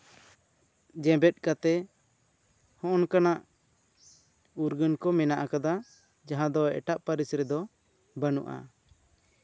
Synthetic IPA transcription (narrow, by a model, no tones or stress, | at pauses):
d͡ʒɛ̃bɛt̪̚ˀkat̪ɛ | hɔ̃ʔɔnkanaʔ | uɾɡənkɔmɛnaʔakad̪a | d͡ʒaɦãd̪ɔɛ̰ʈaʔpaɾisɾɛd̪ɔ | bənṵʔa̰